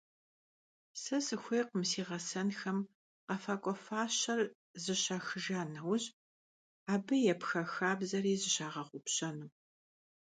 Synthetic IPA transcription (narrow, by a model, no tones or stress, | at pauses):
sɨsɨxʷejqəmsiːʁɐsɐnxɐm | qɐfaːkʷʼɔfaːɕɐr | zɨɕaxɨʒaːnɐwɕʼ | aːbɨjɛpxɐxaːbzɐɾiːzɨɕaːʁɐχʷʊpɕɐnuː